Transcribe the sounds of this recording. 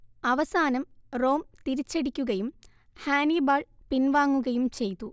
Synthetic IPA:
ɐʋɐsaːnɐmro̞ːmt̪iɾit͡ɕːeɽikʲːuɣɐjum | haːnibaːɭpinʋaːŋːuɣɐjumt͡ɕe̞jt̪ːu

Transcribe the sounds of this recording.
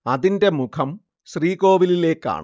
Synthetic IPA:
ɐðinde̞mukʰɐm | ɕriːko̞ːʋilile̞ːkːa̰ːɳɨ̰

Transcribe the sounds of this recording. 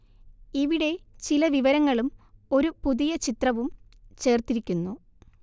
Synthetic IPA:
iʋiɽe̞t͡ɕilɐʋiʋɐɾɐŋːɐɭumo̞ɾupuðijɐt͡ɕit̪rɐʋumt͡ɕe̞ːrt̪iɾikʲːunːu

